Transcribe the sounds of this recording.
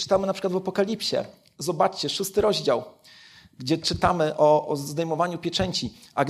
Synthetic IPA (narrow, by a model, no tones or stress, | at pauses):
t͡ʂɘ̥t̪amɘnapʂɘkwat̪vapɔkalʲipɕɛ̰ | zɔbat͡ʂt͡ɕɛʂust̪ɘɾɔʑd͡ʑaw | ɡd͡ʑɛt͡ʂɘt̪amɘʔɔzd̪ɛjmɔvaɲupʲjɛt͡ʂɛɲt͡ɕiaɡ